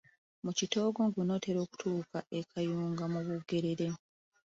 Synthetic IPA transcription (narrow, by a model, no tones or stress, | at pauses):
mucito̞ːɡoŋɡuno̞ːte̞ɾo̞ːku̥tʰuːkae̞kʰajuːŋɡamuβuɡe̞ɾeɾe̞